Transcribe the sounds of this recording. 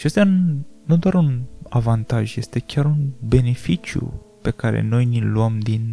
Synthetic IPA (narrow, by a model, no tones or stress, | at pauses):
ʃiast̪janud̪oaɾunavant̪aʒje̞st̪e̞kʲaɾunbe̞ne̞fit͡ʃjṵpe̞kaɾḛno̞jniluamd̪in